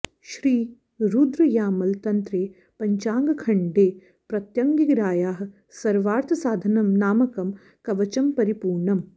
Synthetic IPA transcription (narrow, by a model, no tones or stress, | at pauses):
ʃɾiː | ɾuːd̪ɾɐjaːmɐlt̪ɐnt̪ɾeː | pɐɲt͡ʃaːŋɡɐkʰɐɳɖeː | pɾɐt̪jɐŋɡiɡɾaːjaːɦ | sɐɾʋaːɾt̪ʰɐsaːd̪ʱɐnɐmnaːmɐkɐm | kɐʋɐt͡ʃɐmpɐɾipuːɾɳɐm